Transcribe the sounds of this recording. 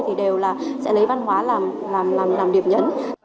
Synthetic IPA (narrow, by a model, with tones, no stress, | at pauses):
jt̪ʰi˨˩ɗe˨˩wlaː˨˩sɛ̰˧˥lə˨˦jva˧nɦwaː˨˦laː˨˩m | laː˨˩mlaː˨˩mlaː˨˩mɗi˨˩əmɲə̰˨˦n